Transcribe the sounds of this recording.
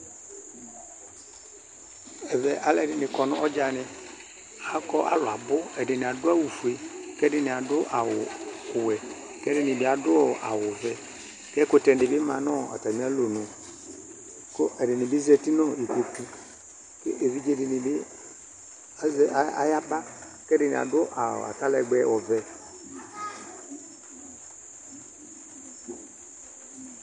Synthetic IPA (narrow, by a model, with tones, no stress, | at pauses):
ɛ˨vɛ˨ʔa˦lɛ˨dɪ˨nɪ˨kɔ˨nʊ˦ʔɔ˦d͡ʒa˨nɪ˦ | a˦kɔ˦ʔa̰˨lʊ˨a˨bʊ˦ɛ˨dɪ˨nɪ˨a˨dʊ˦a˦wu˨fu˨e˨kɛ˦dɪ˦nɪ˨a˨dʊ˦ʔa˨wʊ˨ʊ˨wɛ˨ | kɛ˦dɪ˦nɪ˨bɪ˦a˨dʊ˦ɔ˨ʔa˨wʊ˨vɛ˨ | kɛ˦kʊ˦tɛ˨n˦dɪ˨bɪ˦ma˨n˦ɔ˦a̰˨ta˨mi˦a˦lo˨nʊ˨ | kɔ˦ʔɛ˨di˨ni˨bi˦ze˧ti˦nɔ˦˨i˨ko˨ti˦ | kʔe˨vi˦d͡ʒe˦˨di˨ni˨bi˦ | za̰˨˦ja˦ba˦ | kɛ˦di˨ni˨a̰˨dʊ˦ʔa̰˨a̰˨ta˦lɛ˧˨ɡ͡bɛ˧˦ʔɔ˨vɛ˧